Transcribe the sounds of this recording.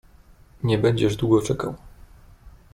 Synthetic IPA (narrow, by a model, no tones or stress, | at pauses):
ɲɛbɛɲd͡ʑɛʐd̪wuɡɔt͡ʂɛka̰w